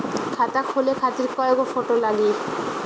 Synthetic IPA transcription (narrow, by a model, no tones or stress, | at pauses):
kʰat̪akʰolekʰat̪iɾkɔeɡofoʈolaɡie